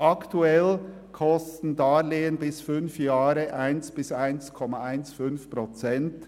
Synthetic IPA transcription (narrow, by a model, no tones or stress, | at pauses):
ʔɑktuɛl | kʰɔstn̩daːleːənbɪsfʏnfjaːɾəʔaɪnsb̥ɪsaɪnskʰɔmaaɪnsfʏnfpʁot͡sɛnt